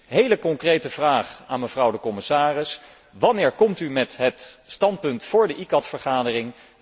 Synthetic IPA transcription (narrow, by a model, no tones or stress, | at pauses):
ɦejləkɔŋkrejtəvraːχa̰ːnməv̥rʌwdəkɔmɪsaːrɪs | ʋɑnɪːɹkɔmtymɛtɦətstɑnt̚pɵntfʊːɹdəʔikɑtfəɹχaːdərɪŋ